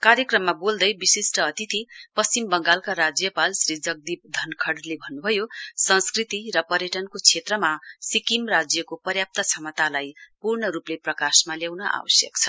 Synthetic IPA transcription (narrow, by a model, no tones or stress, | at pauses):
kaɾjʌkrʌmːabold̪ʌjbisisʈʌːt̪it̪ʰipʌst͡simbʌŋɡalkaɾad͡zjʌpalsrid͡zʌɡ̚d̪ip̚d̪ʱʌnkʰʌɽlebʱʌnːubʱʌjosʌ̃nskrit̪iɾʌpʌɾjʌʈʌnkot͡sʰet̪rʌmasikimrad͡zjʌkopʌrjap̚t̪ʌt͡sʰʌmʌt̪alajpurɳʌɾupleprʌkasmaljawnʌʔa̰wʌsjʌ̰kt͡sʰʌ̥